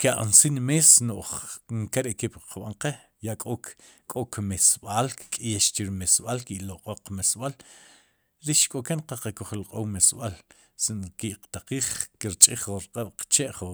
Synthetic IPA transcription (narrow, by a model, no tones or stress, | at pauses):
kaʔa̰nsinmeːsnoʔχŋkeɾeʔkipqʰaɓaɴqe | jaʔkʼo | kʼokmesɓaːlkkʼjeʃt͡ʃiɾimesɓalkiʔloqʼoqmesɓal | ɾiʃkʼokenqaqakoχilqʼowmesɓal | sinkiʔqt̪aqiːχkiɾt͡ʃʼiχoɾqʼaɓ̥qt͡ʃeʔχo